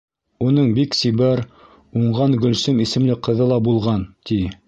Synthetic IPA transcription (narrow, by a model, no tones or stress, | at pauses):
unɤɴbiksiβæɾ | uɴʁɑnɡɵ̆lsɘmisɘ̆mlɘqɤ̆ðɤlˠɑbulˠʁɑnt̪i